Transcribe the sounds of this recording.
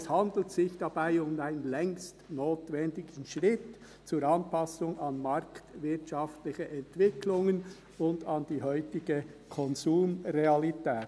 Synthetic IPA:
shɑnd̪l̩tsɪçd̥ɑb̥aɪʊmaɪnənlɛŋstnoːtvɛndɪɡən̩ʃʁɪt | t͡suːɾɑnpɑsʊŋɑnmɑɾktvɪtʃɑftlɪçəʔɛntv̥ɪkʰlʊŋən | ʊndɑnd̥iːɦœʏtɪɡ̥ə | kʰɔnzuːmʁeɑlitɛːt

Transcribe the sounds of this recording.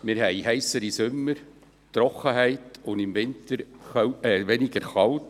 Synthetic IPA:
mɪɾɦɛjɦɛɪsəɾisʏmːəɾ | tɾɔχəɦæɪtʊndɪmvɪntəɾ | ʋɛnɪɡəɾχɑlt

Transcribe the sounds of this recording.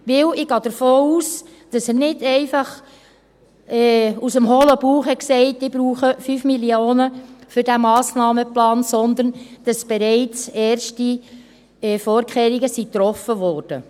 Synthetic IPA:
ʋɪwɪɡ̥ɑːd̥̪əɾfoːuːs | d̥ɑsənɪdɛɪfɑχ | ɛusəmɦoːləb̥uːχhɛksɛɪt̚dib̥ɾuːχəfyːfmilioːnəfʏɾdæmɑːsnɑːməplɑːnsɔnd̪ənd̥ɑsb̥ɛɾɛɪt͡sɛːɾʃti | ɛfɔːɾkʰχeːɾiɡəsit̪ɾɔfəʋɔːrd̥ə̰

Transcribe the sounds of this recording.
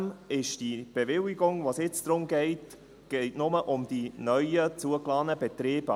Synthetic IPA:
mɪʃd̥ib̥evɪliɡʊŋvoːsjɪt͡sd̥̪ɾʊmɡɛɪt | ɡ̥ɛɪtnʊməʔʊmd̥inœʏət͡suəklɑːnəbɛtɾeːbə

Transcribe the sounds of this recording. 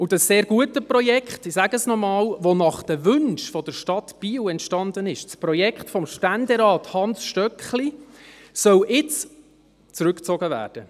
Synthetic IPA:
ʊd̥ɑsːeːɾɡ̥uətəprɔjɛkχtisæɡəsnɔmɑːlʋonɑχd̥əʋʏnʃfɔd̪əɾʃtɑtb̥iːwɛntʃtɑnd̪ənɪʃspɾɔjɛkχtfɔmʃtændɛɾɑːthɑnsʃtœkχlisœwʔɪt͡s | t͡sɾʉkt͡sɔɡəvæ̰ːɾd̥ə

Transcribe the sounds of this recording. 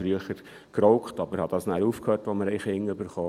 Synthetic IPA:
fɾyəχəɾ | kɾɔʊkχtɑbəɾhɑd̥̪ɑːsnæːɾuːfkhøːtʋoməɾɛɪχɪŋːøbəɾχoː

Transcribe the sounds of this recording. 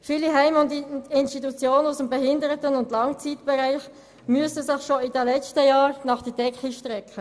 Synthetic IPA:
fiːliɦɛɪmʊndɪnstitut͡sjoːnənusəmbɛɦɪndəɾətənʊndlɑŋt͡siːtb̥ɛɾaɪχ | myəsəsɪχʃoidɛlɛt͡stəjɑːɾnɑχd̥əd̥ɛkχiʃtʁɛkχə

